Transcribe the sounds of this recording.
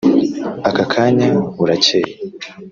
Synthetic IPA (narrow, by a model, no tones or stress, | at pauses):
akakʰaːɲaβuɾaceje